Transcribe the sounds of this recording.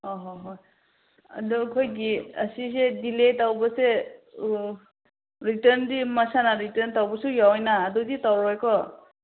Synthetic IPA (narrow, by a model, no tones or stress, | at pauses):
ɔɦɔɦɔj | a̰dɔkʰɔjɡiəsisediletawbɔse | ɾitəɾndimasanaɾitəntawbɔsujawjnaːdɔditawɾɔjkɔ